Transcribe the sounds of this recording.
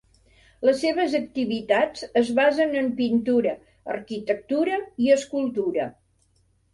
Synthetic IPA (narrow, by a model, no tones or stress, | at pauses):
ləsːeβ̞əzək̚t̪iβit̪at͡səzβazənəmpint̪uɾə | ərkit̪ək̚t̪uɾəiəskulˠt̪uɾə